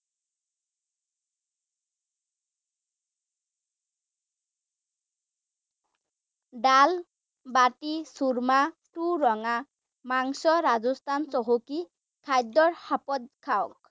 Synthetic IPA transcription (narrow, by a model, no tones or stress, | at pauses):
ɖal | baʈisuɾmaʈuɾɔŋa | maŋsɔɾad͡zɔst̪ʰant͡sɔɦoki | kʰajd̪ɔɾhapɔd̪̚kʰawɔk